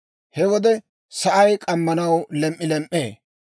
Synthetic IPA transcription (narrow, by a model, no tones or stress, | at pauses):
hɛwɔd̪ɛ | sɐʔɐjkʼɐmːɐnɐwlɛmʔʼːɪlɛmʔḛː